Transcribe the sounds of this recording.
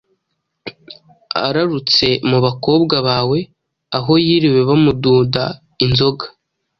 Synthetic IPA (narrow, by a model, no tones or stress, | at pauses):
a̰ɾaɾut͡se̞muβako̞ːbɡaβaːwe̞ | aɦo̞jiːɾiwe̞βamuduːda | inzo̞ɡḁ